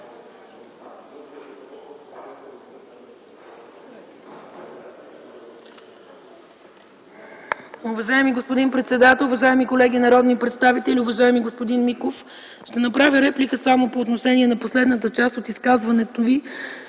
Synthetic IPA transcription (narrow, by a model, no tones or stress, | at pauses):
ʊvɐʒaɛmiɡospod̪inpɾɛt̪sɛd̪at̪ɛlˠuvɐʒaɛmikolɛɡʲinɐɾɔd̪nipɾɛt̪st̪avit̪ɛlʲiʊvɐʒaɛmiɡospod̪inmikof | ʃt̪ɛnɐpɾavʲiɾɛplikəsamopoːt̪noʃɛniɛnɐposlɛd̪nət̪̬ət͡ʃast̪ot̪iskazvɐnɛt̪ovi